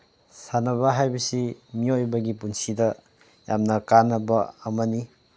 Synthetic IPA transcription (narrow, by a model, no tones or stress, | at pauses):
sanɐβɐɦajbɐsimiojbɐɡipunsidɐ | jamnɐkanɐbɐɐmɐni